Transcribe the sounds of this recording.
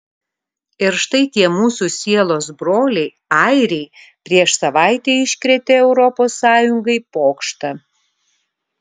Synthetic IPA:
ɪɾʃt̪ɐɪt̪ʲiɛmuːsusʲiɛlˠoːs̬bɾoːlʲɛɪ | ɑɪɾʲɛɪ | pʲɾʲiɛʃsɐʋɑˑɪt̪ʲeːɪʃʲkɾʲɛt̪ʲeɛʊɾɔpoːsːɑːjʊŋɡɐɪpoːkʃt̪ɐ

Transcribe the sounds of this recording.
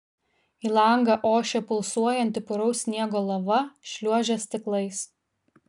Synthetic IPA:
iːlˠɐˑŋɡɑʔoːʃʲɛpʊlˠsuɔjɛnʲt̪ʲɪpʊɾɐʊsʲnʲiɛɡoːlˠɐʋɐʃʲlʲuɔʒʲɛsʲt̪ʲɪklˠɐɪs

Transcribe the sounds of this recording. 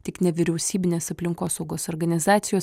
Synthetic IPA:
t̪ʲɪknʲɛʋʲɪɾʲɛʊsʲiːbʲɪnʲeːsɐpʲlʲɪŋkoːsɒʊɡoːsɔːɾɡɐnʲɪzɑːt̪sʲɪjoːs

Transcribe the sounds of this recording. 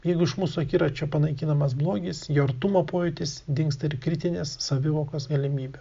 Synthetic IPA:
jɛɪɡʊɪʃmuːsʊɐkʲiːɾɐt͡ʃʲoːpɐnɐɪkʲɪnɐmɐs̬blˠoːɡʲɪsjoːɐɾt̪umɐpoːjʊt̪ʲɪsd̪ʲɪŋkst̪ɐɪɾkɾʲɪt̪ʲɪnʲeːsːɐʋʲɪʋoːkoːsɡɐlʲɪmʲiːbʲɛ

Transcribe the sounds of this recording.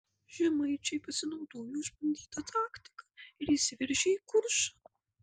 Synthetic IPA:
ʒʲɛmɐɪt͡ʃʲɛɪpɐsʲɪnɒʊd̪oːjuːʃpɐnʲd̪ʲiːt̪ɐt̪ʰɑːkt̪ʲɪ̥kɐɪɾisʲɪʋʲɪɾʲʒʲɛiːkʊɾʃɐ

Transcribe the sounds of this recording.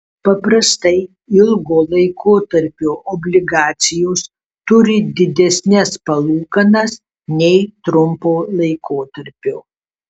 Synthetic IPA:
pɐpɾɐst̪ɐɪ | ɪlˠɡoːlˠɐɪkʰoːt̪ɐɾʲpʲoːʔɔbʲlʲɪɡɑːt̪sʲɪjoːs | t̪ʊɾʲɪd̪ʲɪd̪ʲɛsʲnʲɛspɐlˠuːkɐnɐs | nʲɛɪt̪ɾʊmpoːlˠɐɪkoːt̪ɐɾʲpʲoː

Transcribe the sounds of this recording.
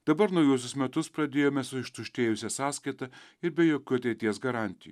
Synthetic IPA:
d̪̥ɐbɐɾnɐʊjuɔs̬ʲʊsmʲɛt̪ʊspɾɐd̪ʲeːjoːmʲɛsʊɪʃt̪ʊʃʲt̪ʲeːjʊsʲɛsɑːskɐɪt̪ɑ | ɪɾbʲɛjoːkʲuːɐt̪ʲɛɪt̪ʲiɛsɡɐɾɑːˑnʲt̪ʲɪjṵː

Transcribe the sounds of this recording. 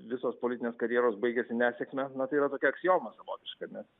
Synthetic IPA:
ʋʲɪsoːspolʲɪtʲɪnʲeːskɐɾʲjeɛːɾoːsbɐɪɡʲesʲɪnʲæːsʲeːkmʲɛnɐt̪ɐɪiːɾɐt̪oːkʲɛɐksʲɪjoːmɐsɐʋoːt̪ʲɪʃkɐnʲɛs

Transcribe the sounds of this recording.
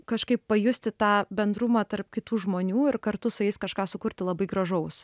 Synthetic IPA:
kɐʃkɐɪpːɐjʊsʲt̪ʲɪt̪ɑːbʲɛnd̪ɾʊmɑːt̪ɐɾpkʲɪt̪uːʒmoːnʲuːɪrkɐɾt̪ʊsʊɛɪskɐʃkɑːsʊkʊɾʲt̪ʲɪlˠɐbɐɪɡɾɐʒɐʊs

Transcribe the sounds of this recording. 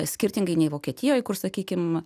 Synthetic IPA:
sʲkʲɪɾʲt̪ʲɪŋɡɐɪnʲɛɪʋoːkʲiɛt̪ʲɪjoːjkʊrsɐkʲiːkʲɪm

